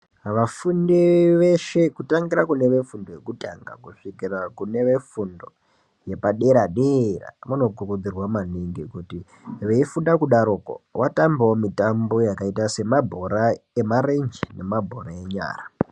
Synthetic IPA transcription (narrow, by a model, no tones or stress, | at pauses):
ʋafundiʋeʃekutaŋɡiɾakune̞ʋe̞fundo̞je̞kutaŋɡa̰kuʂikirakune̞ʋe̞fundo̞̰ | je̞paɗe̞ɾaɗera̰ʋano̞kurud͡zirwamaniŋɡikuti | ʋe̞ifundakuɗaɾoko̰wʔatambawomitambo̞jakaitase̞mabʱo̞ɾaemaɾend͡ʒine̞mabʱo̞ɾae̞ɲa̰ːra